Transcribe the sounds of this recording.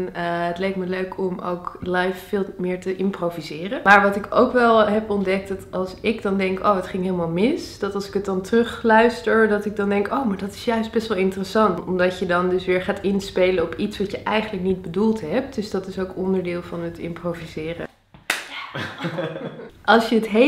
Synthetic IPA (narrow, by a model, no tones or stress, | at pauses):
nɦətlejk̚tməløɥkʰɔmo̰wklɑjfːɪːlˠmɪːɹtəʔɪmprovizɪːrəmaːɹʋɑtɪko̰wkʋɛlˠɦɛpɔndɛk̚dɑtɑlˠsɪkdɑndɛŋko̰wətχɪŋɦɪːləmaːlˠmɪsd̥ɑtɑlˠsɪ̥kət̚dɑntərɵχlœɥstəɹdɑtɪɡ̚dɑndɛŋkowmaːɹdɑtɪ̥sjœɥsd̚bɛstʋɛlˠɪntərəsɑntɔmdɑcjədɑndɵsʋɪːɹχaːtɪnspejləɔpitsʋɑtjəʔɛjχənləknid̚bədulˠtɦɛp̚td̥ɵsd̥ɑtɪsowkɔndəɹdɪːlˠvɑnətɪ̰mprovizɪːrə̰ | ʔɑlˠsjəətɦe